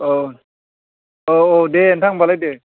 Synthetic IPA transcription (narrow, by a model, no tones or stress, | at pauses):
o | oodeɛntʰaŋbalajde